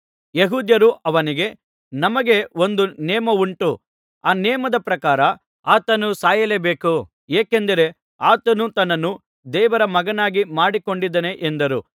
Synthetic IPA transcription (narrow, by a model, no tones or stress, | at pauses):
jeɦuːd̪jɐɾuʔɐʋɐniɡe̞ | nɐmɐɡe̞o̞nd̪unɛːmɐuɳʈu | aːnɛːmɐd̪ɐpɾɐkaːɾɐ | aːt̪ɐnusaːjɐlebeːku | eːkend̪ɐɾe̞ | aːt̪ɐnut̪ɐnːɐnːu | d̪ɛːʋɐɾɐmɐɡɐnaːɡimaːɽiko̞ɳɖid̪ɐne̞ʔend̪ɐɾṵ